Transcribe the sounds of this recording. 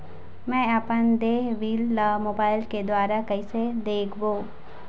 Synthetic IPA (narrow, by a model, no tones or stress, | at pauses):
mɛ̃ːɐpənd̪eːɦʋiːlːamoːbaːɪlked̪waːɾakɐɪsed̪eːkʰboː